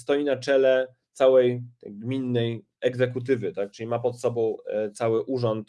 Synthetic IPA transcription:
st̪ɔjinat͡ʂɛlɛ | t̪sawɛjɡmʲinːɛj | ɛɡzɛkut̪̬ɘvɘt̪ak̚t͡ʂɘlʲimapɔt̪sɔbɔ̃w̃t̪sawɘʔuʐɔnt̪

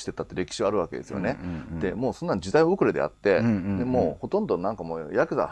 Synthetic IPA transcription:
i̥t̪et̪ːat̪ːe̞ɾe̞kʲi̥ɕiβaːɾɯ̟βake̞d̪e̞sɨjo̰ne̞d̪̥e̞moːsõ̞nːãɲd͡ʑid̪aiookɯ̟ɾed̪e̞̰a̰t̪ːe̞d̪e̞moːho̞t̪õ̞nd̪o̞nãŋkamo̰ːjakɯ̟za̰

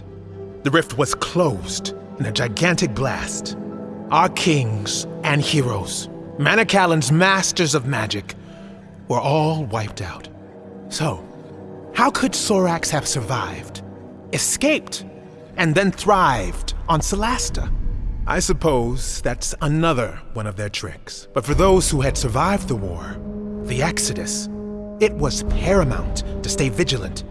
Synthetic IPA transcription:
ðɨɹɪft̚wʌz̥kʰl̥oʊzd | ɨ̃nɨd͡ʒaɪɡæ̃ntɨk̚b̥læ̰stʔaʊə˞kʰɪ̃ŋz̥ɨ̃nhiɹoʊz̥mæñɨkʰælˠə̃nzmæstə˞zʌvmæd͡ʒɨk | wə˞ʔɔlˠwaɪp̚ta̰ʊt̚ | soʊ | haʊkʰɨd̥sɔɹækshɨv̥sə˞vaɪvd | ɨskeɪp̚t | ɨ̃nðɨ̃nθɹaɪvdn̩səlæstəʔa̰ɪsɨpʰoʊzðætsənʌðə˞wʌ̃ñʌvðə˞tʰɹ̥ɪ̰ksb̥ʌtfə˞ðoʊz̥huɨd̥sə˞vaɪvd̪̚ðəwɔ̰ɹðiæksɨɾɨ̰s | ɪt̚wʌz̥pʰɛɹɨmã̰ʊ̃nttʰɨsteɪvɪd͡ʒɨlˠə̰̃nt

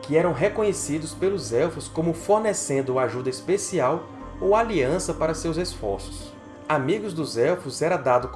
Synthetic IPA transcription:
kɪɛɾɐ̃w̃ɦekõɲesid̪ʊspelʊzɛfʊskõmʊfoɾnesẽnd̪ʊaʒud̪ɐispesiaw | owaliɐ̃sɐpaɾɐsewzesfɔ̰ɾsʊ̥s | amiɡʊzd̪ʊzɛwfʊzɛɾɐd̪ad̪ʊk

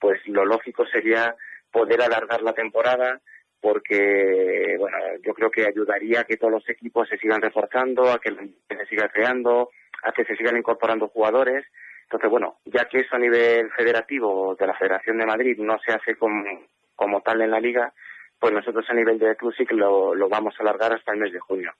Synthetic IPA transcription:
pwe̞slo̞lo̞xiko̞se̞ɾiapo̞ðe̞ɾalaɾɣ̞aɾlat̪e̞mpo̞ɾað̞a | po̞ɾke̞βwe̞no̞̰ʝo̞kɾe̞oke̞aʝuðaɾiake̞t̪olo̞se̞kipo̞sːe̞siɣanre̞fo̞ɾθand̪o̞ake̞lan | ese̞siɣakɾe̞and̪o̞ | a̰ke̞se̞siɣaniŋko̞ɾpo̞ɾand̪oxuɣað̞o̞ɾe̞snt̪onθe̞zwe̞no̰ɟ͡ʝakee̞soaniβ̞e̞lfe̞ð̞e̞ɾat̪iβ̞o̞ðe̞lafe̞ð̞eɾaθjo̞nd̪e̞maðɾiðno̞se̞aθe̞ko̞mo | ko̞mo̞t̪ale̞nlaliɣ̞apwe̞zno̞so̞t̪ɾo̞saniβ̞e̞ld̪e̞klusiklolo̞βamo̞salaɾɣaɾast̪aelme̞zðe̞xunjo̞

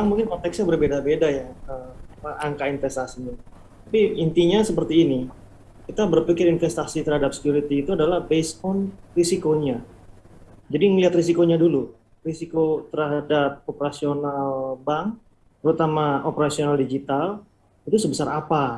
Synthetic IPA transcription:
aŋmũŋkɪnkɔnt̪ɛksɲabərbedabedajaəaaŋkainfɛst̪asini | t̪apiint̪iɲasəpərt̪iːni | kit̪abərpikɪɾinfɛst̪asit̪ərhadap̚sə̥kjuɾit̪iːt̪uadalahbesɔnrisikoɲa | d͡ʒadiŋəliɦat̪risikoɲadulu | risikot̪əradap̚opəɾasionalbaŋ | t̪əɾut̪amaopəɾasionaldid͡ʒit̪al | it̪usəbəsaɾapa

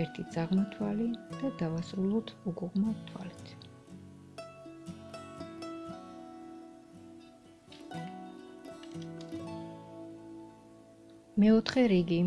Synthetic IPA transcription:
ɛɾt̪ʰid̪zʼaʁmɔt̪ʰwalid̪̥ad̪avasɾulˠɔt̪ʰuɡuʁmat̪ʰwa̰lit̪ʰ | mɛɔt̪ʰχɛɾiɡiː

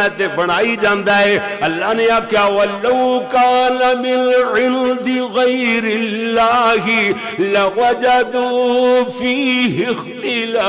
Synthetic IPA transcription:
t̪ebɐɽ̃aːid͡ʒãːnd̪aːɦɛː | ɐlːaɦneaːkjaːʋɐlɐwkaːnɐmɪnʕɪnd̪ɪɣɐjɾɪllːaːɦɪ | lɐwɐd͡ʒad̪ʊfiːɦɪxt̪ɪlaː

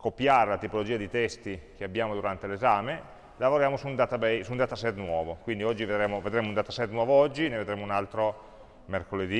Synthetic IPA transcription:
kopjaːɾelat̪ipolod͡ʒiːad̪it̪ɛst̪ik̟eabːjaːmod̪uɾant̪elezaːme | lavoɾjaːmosund̪at̪abɛjsuund̪aːt̪asɛt̪ːnwɔːvokwind̪iɔd͡ʒːived̪ɾeːmoved̪ɾeːmound̪aːt̪asɛt̪ːnwɔːvoɔd͡ʒːineved̪ɾeːmounalt̪ɾo | merkoled̪i

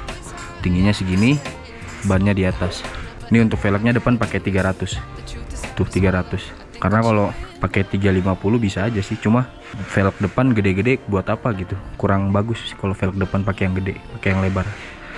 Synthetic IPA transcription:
t̪iŋɡiɲasɪhɡini | banɲadiat̪as | niunt̪ʊk̚felək̚ɲadəpanpaket̪iɡaɾat̪ʊs | t̪ʊt̪iɡaɾat̪ʊs | karənakalopaket̪iɡalimapulʊbisaːd͡ʒasɪht͡ʃuma | felək̚dəpanɡədeɡədebuat̪apaɡit̪ukuɾaŋbaɡʊsːɪ̥hkalofelək̚dəpanpakejaŋɡədepakejaŋlebar

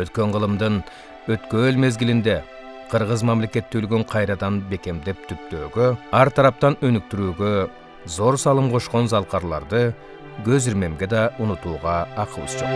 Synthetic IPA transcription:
wøt̪kʲe̞ɴʁəlˠəmd̪ən | wɵt̪kølme̞zɡʲɪlɪnd̪e̞ | qʰəɾʁəzmɑmle̞kʲe̞t̪ːølɡøɴqʰɑjɾɑd̪ɑnbe̞kʲe̞md̪e̞p̚t̪ʰʏk̚t̪øːɡʲøɑɾt̪ʰɑɾɑp̚t̪ɑnønʏk̚t̪yɾyːɡʲe | zo̞ɾsɑlˠəmqʰo̞ʃqo̞nzɑlˠqɑɾlˠɑ̰ɾd̪ə | ɡʲøzɪɾme̞mɡʲe̞d̪ɑʔʊnut̪uːʁɑɑqəlˠə̰sʒ̥oq

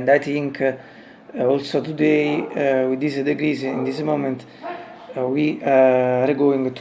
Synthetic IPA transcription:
nd̪ajt̪ĩŋkʰ | ɔlsot̪ud̪ejwid̪isəd̪eɡɾizḭ̃nd̪ismomə̃nt̪ | wi | ɾeɡoĩŋɡt̪

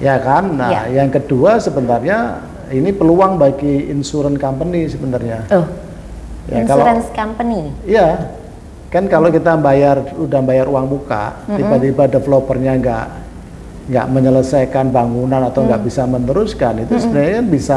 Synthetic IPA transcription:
jakanə̰ajaŋkəduasəbənt̪arɲa | inipəluaŋbaɡiːnsuɾɛnkampənisəbənt̪arɲa | jakaloɾɛnskampəniija | kankalokit̪ambajarudambajaɾuwaŋbuka̰ʔt̪ibat̪ibadəfəlopərɲaŋɡa̰ʔ | ŋɡa̰ʔməɲələsajkanbaŋunanat̪awŋɡaʔbisamənt̪əɾuskanit̪usəbənarɲakanbisa

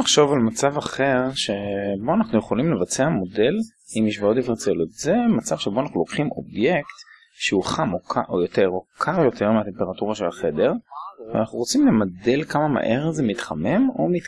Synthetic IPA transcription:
aχʃo̞valmat͡savaχe̞ʁʃe̞bo̞anaχnuje̞χo̞limlevat͡seamo̞de̞l | imiʃvaotifet͡seljot̪ze̞mat͡sav̥ʃeboanaχnulo̞kχimo̞̰bje̞kt̪ | ʃeuχamokʰaʔojoteʁo̞kʰaʁjo̞t̪ʰe̞ʁmeat̪empeʁatuʁaʃelaχe̞de̞ʁvea̰naχnuʁo̞t͡simle̞made̞lkamama̰ʔe̞ʁzemit̪χame̞mo̞̰mit

